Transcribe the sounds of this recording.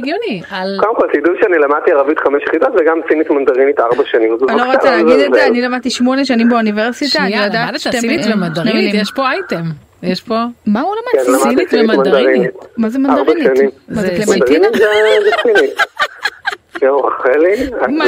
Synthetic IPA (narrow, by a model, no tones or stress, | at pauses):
ɡonialkovemkolsidudʃeanilamadt̪iaʁavit̪χameʃjeχidot̪veɡamsinit̪mand̪aʁinit̪aʁbaʃanĩmzualoʁoelaːɡid̪ezzeanilamad̚t̪iʃmoneʃ̬animbeuniveʁsit̪anijodadt̪eimad̪aʁimjeʃpoajtem | jeʃpomaulamadkenlamdnisiimmandaʁinimazemandadʁbaʃanimzlemd̪aʁinimzezet͡sinit̪ | ɛaχelia